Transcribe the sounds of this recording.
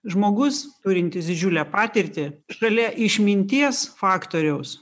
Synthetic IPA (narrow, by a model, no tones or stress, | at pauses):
ʒmoːɡʊst̪ʊɾʲɪnt̪ʲɪsd̪ʲɪd͡ʒʲuːlʲæːpɑːt̪ʲɪɾʲt̪ʲɪʃɐlʲɛʔɪʃʲmʲɪnʲt̪ʲiɛsfɑːkt̪oːɾʲɛʊs